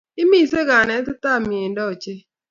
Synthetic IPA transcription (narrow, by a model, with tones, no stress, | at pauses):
ɪ˦mi˦˨se˦ɡa˨nɛ˦t̪ʊ˦t̪a˦˨m˨e˨ndɔ˦˨t͡ʃe˦